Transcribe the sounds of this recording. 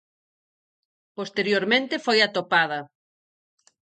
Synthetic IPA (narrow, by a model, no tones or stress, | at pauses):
post̪eɾjoɾmẽnt̪ɪfojat̪opaðɐ